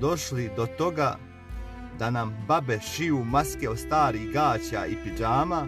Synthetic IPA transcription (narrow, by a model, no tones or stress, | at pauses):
d̪o̞ʃlid̪o̞t̪o̞ɡa̰ | d̪anambabe̞ʃijuːmaskeod̪st̪aːɾiɡaːt͡ɕaʔipid͡ʑaːma